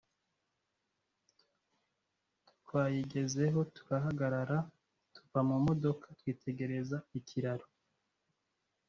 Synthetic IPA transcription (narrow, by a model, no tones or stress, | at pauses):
twaːjiɡe̞ze̞ɦo̞tu̥ɾaɦaɡaɾaɾa | tu̥vamumo̞do̞kʰatwiːtʰe̞ɡe̞ɾe̞zaicʰiɾaɾo